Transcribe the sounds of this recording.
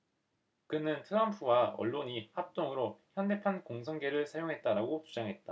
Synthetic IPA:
kɯnɯntʰɯɾʌmpʰuwaʌ̰ɭːoɲihap̚t͈oŋɯɾoçjʌnde̞pʰankoŋsʰʌŋɡe̞ɾɯɭsʰajoŋɦe̞t̚t͈aɾaɡot͡ɕud͡ʑaŋɦe̞t̚t͈a

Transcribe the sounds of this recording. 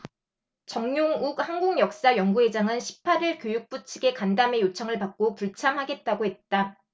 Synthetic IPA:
t͡ɕʌŋɲjoŋuk̚hanɡuŋjʌk̚s͈ajʌŋɡue̞d͡ʑaŋɯnɕʰi̥pʰːaɾiɭkjojuk̚p͈ut͡ɕʰiɡe̞kandame̞jot͡ɕʰʌŋɯɭpak̚k͈opuɭt͡ɕʰamɦaɡe̞t̚t͈aɡohe̞t̚t͈a

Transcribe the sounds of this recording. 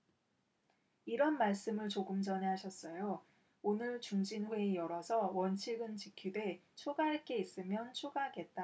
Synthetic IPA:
iɾʌnmaɭs͈ɯmɯɭt͡ɕoɡɯmd͡ʑʌnɦeɦaɕʰʌs͈ʌjo | onɯɭt͡ɕuŋd͡ʑinɸwe̞ːjʌɾʌsʰʌwʌnt͡ɕʰiɡɯnt͡ɕikʰidwet͡ɕʰoɡaɦaɭk͈e̞is͈ɯmjʌnt͡ɕʰoɡaɦaɡe̞t̚t͈a

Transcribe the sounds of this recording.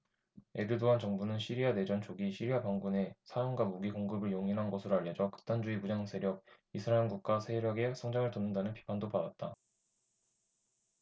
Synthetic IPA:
e̞ɾɯdoɦant͡ɕʌŋbunɯnɕʰiɾiade̞d͡ʑʌnt͡ɕʰoɡiɕʰiɾiapaŋɡune̞sʰajoŋɡwamuɡiɡoŋɡɯbɯɭjoŋinɦanɡʌsʰɯɾoaʎːjʌd͡ʑʌkɯ̥k̚t͈and͡ʑuimud͡ʑaŋsʰe̞ɾjʌk̚ | isʰɯɾaemɡuk̚k͈asʰe̞ɾjʌɡe̞sʰʌŋd͡ʑaŋɯɭtonːɯndanɯnpʰi̥pʰandopadat̚t͈a

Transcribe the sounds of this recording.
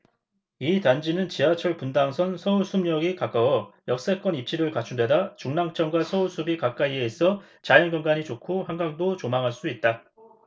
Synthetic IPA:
itand͡ʑinɯnt͡ɕiɦat͡ɕʰʌɭpundaŋsʰʌnsʰʌuɭsʰumɲʌɡikak͈awʌjʌk̚s͈ek͈ʌnip̚t͡ɕ͈ʰiɾɯɭkat͡ɕʰundwe̞dat͡ɕuŋnaŋt͡ɕ͈ʌŋɡwasʰʌuɭsʰubikak͈aieːsʰʌ | t͡ɕajʌnɡʌnɡaɲit͡ɕokʰohaŋɡaŋdot͡ɕomaŋɦaɭs͈uit̚t͈a

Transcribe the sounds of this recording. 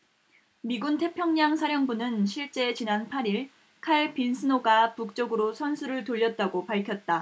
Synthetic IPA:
miɡuntʰe̞pʰjʌŋɲaŋsʰaɾjʌŋbunɯnɕʰiɭt͡ɕ͈e̞t͡ɕinanpʰaɾiɭ | kʰaɭpinsʰɯnoɡapuk̚t͡ɕ͈ʌɡɯɾosʰʌnsʰuɾɯɭtoʎːʌt̚t͈aɡopaɭkʰjʌt̚t͈a

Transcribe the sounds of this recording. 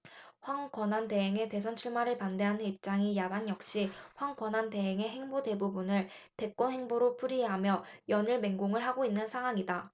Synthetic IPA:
ɸwaŋkwʌnante̞ɦeŋe̞te̞s̬ʰʌnt͡ɕʰuɭmaɾɯɭpande̞ɦanɯnip̚t͡ɕ͈aŋijadaŋjʌk̚ɕ͈iɸwaŋkwʌnante̞ɦeŋe̞ɦe̞ŋbode̞bubunɯɭte̞k͈wʌnɦe̞ŋboɾopʰuɾieɦamjʌjʌniɭme̞ŋɡoŋɯɭɦaɡoinːɯnsʰaŋɦwaŋida

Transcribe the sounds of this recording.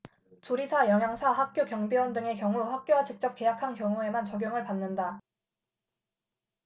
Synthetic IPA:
t͡ɕoɾisʰajʌŋɦjaŋsʰaɸak̚k͈jokjʌŋbiwʌndɯŋe̞k̬jʌŋuɸak̚k͈jowat͡ɕik̚t͡ɕ͈ʌp̚k͈e̞jakʰankjʌŋue̞mant͡ɕʌɡjʌŋɯɭpanːɯnda

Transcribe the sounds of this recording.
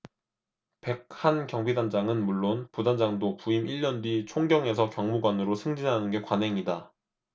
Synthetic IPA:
pe̞k̚hankjʌŋbidand͡ʑaŋɯnmuɭːonpudand͡ʑaŋdopuimiʎːʌndɥit͡ɕʰoŋɡjʌŋe̞s̬ʰʌkjʌŋmuɡwanɯɾosʰɯŋd͡ʑinɦanɯnɡe̞kwanɦe̞ŋida

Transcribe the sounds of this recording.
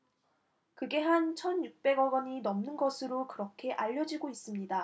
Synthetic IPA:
kɯɡe̞ɦant͡ɕʰʌnjuk̚p͈e̞ɡʌɡʌɲinʌmnɯnɡʌsʰɯɾokɯɾʌkʰe̞ʔaʎːʌd͡ʑiɡois͈ɯmɲida

